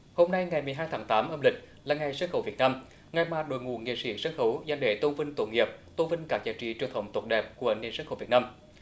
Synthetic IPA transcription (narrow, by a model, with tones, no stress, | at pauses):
ho˧mna˧jŋa˨˩jmɨ˨˩əjɦaː˧jt̪ʰaː˨˦ŋt̪aː˨˦mʔəː˧mlï˨˩k̟̚ | laː˨˩ŋa˨˩jsaː˨˦˥nxə˧˩wvi˨˩ət̚naː˧m | ŋa˨˩jmaː˨˩ɗo̰˧˨˦jŋṵ˧˨nŋḛ˧˨sḭ˧˦sə˧˥nxə˧˩wza˧ŋɗe˧˩t̪o˧nvï˧ŋ̟t̪o˧˩ŋi˨˩əp̚t̪o˧nvï˧ŋ̟kaː˦˥k̚zaː˧˩t͡ɕḭ˧˨t͡ɕɨ˨˩əŋt̪ʰə˧˩wŋ͡mt̪wə˦˥t̚ɗɛ˨˩p̚ku˧˩əne˨nsaː˧˦˥xə˧˩vi˨˩ətnaː˧m